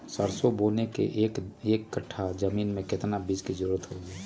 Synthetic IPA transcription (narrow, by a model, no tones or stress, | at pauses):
səɾsoboːnekḛʔːkeːkːəʈʰːad͡ʒəmiːnmẽkɪt̪nabid͡ʒkizəɾuːɾət̪ɦoːɡeː